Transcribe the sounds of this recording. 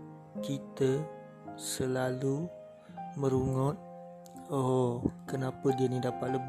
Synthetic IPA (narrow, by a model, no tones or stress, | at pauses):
kit̪ə | səlalu | məɾuŋɔt̪̚ | ɔkənapədianidapat̪̚ləb